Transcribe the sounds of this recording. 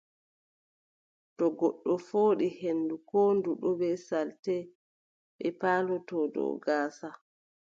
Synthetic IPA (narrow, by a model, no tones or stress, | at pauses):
tɔɡɔɗːɔfoːɗihenːdukɔːnduɗɔbɛsaltɛ | ɓɛpaːlɔtɔdɔ̰ːɡaːsa